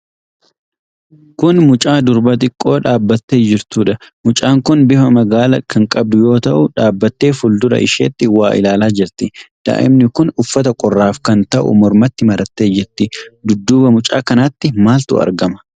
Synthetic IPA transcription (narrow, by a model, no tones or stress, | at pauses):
kʊnmʊt͡ʃʼaːd̪ʊɾbɐt̪̬ʼɪkʼːo̞ːᶑaːbːɐt̪ːeːd͡ʒɪɾt̪uːᶑɐmʊt͡ʃʼaːŋkʊnbɪhɐmɐɡaːlɐkɐŋkʼɐb̚d̪ʊjo̞ːt̪ɐʔʊᶑaːbːɐt̪ːe̞ːfʊld̪ʊɾɐ̰ʔɪʃḛːt̪ːɪwaːʔɪ̰laːlaːd͡ʒɪɾt̪ɪd̪̥a̰ːʔɪ̰mnɪkʊnʊfːɐt̪ɐkʼɔrːaːfkɐnt̪ɐʔʊ̰mɔɾmɐt̪ːɪmɐɾɐt̪ːe̞ːd͡ʒɪɾt̪ːɪd̪ʊd̪ːuːbɐmʊt͡ʃʼa̰ːkɐnaːt̪ːɪmaːlt̪ʊ̰ɐ̰ɾɡɐmɐ̥